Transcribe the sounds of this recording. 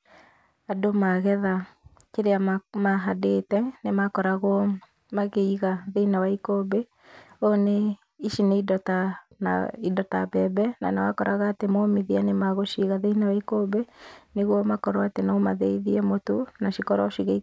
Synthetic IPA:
adomaɣɛða | keɾeamaɦadetɛnemakɔɾaɣwɔ | maɣeiɣaðeinawaikobe | one | iʃineidɔtana̰idɔtabɛbɛna̰nawakɔɾaɣaːtemomiðianemaɣoʃiɣaðeinawaikobeneɣwɔmakɔɾwatenaomaðɛiðiɛmotonaʃikɔɾaoʃiɣe

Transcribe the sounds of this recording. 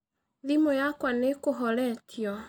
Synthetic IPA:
ðimojakwanekoɦɔɾɛtʰjɔ

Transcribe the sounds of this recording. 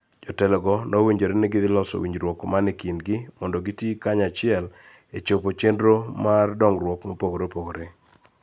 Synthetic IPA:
d͡ʒɔtɛlɛɡɔnɔwiɲd͡ʒoɾenɛɡɪd̪ɪlɔso̰wiɲd͡ʒɾwɔkmanɪkinɡɪmɔndɔɡitikaɲat͡ʃɪɛl | et͡ʃopot͡ʃendɾomardɔŋɾwɔkmɔpoɡoɾepoɡoɾe

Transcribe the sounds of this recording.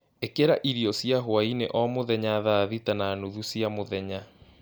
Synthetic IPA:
ekeɾaʔiɾiɔsjaɦoaineʔɔmoðɛɲaðaðitanaːnuðusjamoðɛɲa

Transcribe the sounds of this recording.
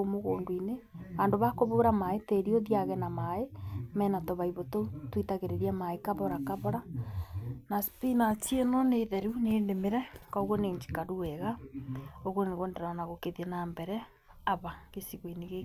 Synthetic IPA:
omoɣoːŋɡwineandoβakoβoːɾamaeteɾioðiaɣɛnamaemɛːnatoβaiβototwitaɣeɾeɾiamaekaβɔɾakaβɔɾa | naspinatienoneðɛɾuneːndemeɾɛkaoɣoneːɲd͡ʒi̥kaɾuɛɣa | oɣoneɣondɛɾaanaɣokeðiɛnambɛɾɛ | aβaɣesiɣwineɣe

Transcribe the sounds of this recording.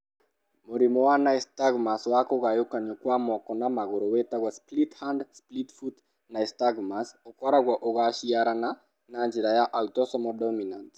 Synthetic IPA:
moɾimɔwanaɛstaɡmaswakoɣajokaɲokwamɔkɔnamaɣoɾowetaɣwasplithandsplitfut | naɛstaɡmasokwaɾaɣwaʔoɣaʃiaɾana | nand͡ʒiɾajaʔautɔsɔmɔdɔminant

